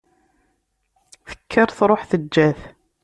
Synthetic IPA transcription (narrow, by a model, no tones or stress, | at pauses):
θə̥kʰːəɾˤθɾˤoħθəd͡ʒːæθ